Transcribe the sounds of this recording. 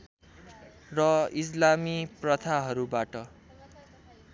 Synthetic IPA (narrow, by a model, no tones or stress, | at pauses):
rʌis̬lamiprʌt̪ʰaɦʌɾubaʈʌ